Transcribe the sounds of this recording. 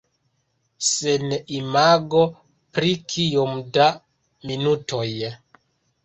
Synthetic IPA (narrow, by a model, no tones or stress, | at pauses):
senimaɡo | pɾikʰijomda | minutoj